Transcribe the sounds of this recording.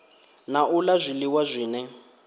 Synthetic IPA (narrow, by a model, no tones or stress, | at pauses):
naʔulazʷiliwazʷiːnɛ